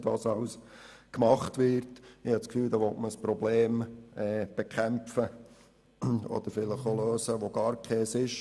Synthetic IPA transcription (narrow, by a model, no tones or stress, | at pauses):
dɑsɑʊs | kmɑχtʋɪɾtɪhɑtskfyːld̪ɑʋɔtməəspɾɔbleːmɛːb̥ekʰæmfə | ɔ̰d̪̥əɾfɪləχoløːsəʋoɡ̥ɑːɾkʰɛːsɪʃ